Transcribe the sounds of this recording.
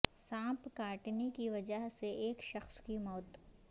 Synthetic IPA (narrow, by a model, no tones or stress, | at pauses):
sãːpkaːʈnekiʋɐd͡ʒəɦseeːkʃɐxskimɔːt̪